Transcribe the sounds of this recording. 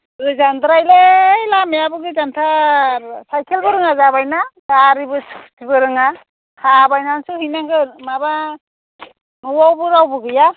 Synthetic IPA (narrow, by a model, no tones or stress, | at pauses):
ɾɯzandɾajlejlameabɯɡɯzantʰa | sajkʰelbɯɾɯŋazaβajnadaɾibɯstʰibɯɾɯŋa | hʰabajnansuhijnaŋɡɯmaba | mɯwawbɯɾawbɯɡɯja